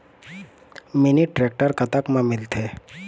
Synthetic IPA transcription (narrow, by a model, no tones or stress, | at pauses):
mɪniʈɾek̚ʈəɾkət̪akmãmɪlt̪ʰe